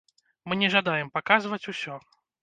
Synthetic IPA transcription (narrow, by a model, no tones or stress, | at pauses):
mɨnʲɛʐad̪ajɛmpakazvɐt͡sʲusʲɔ